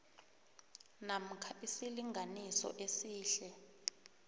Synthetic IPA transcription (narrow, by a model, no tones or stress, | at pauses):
nam̩kʰaisiliŋʱanisɔ̰ʔesiːɬɛ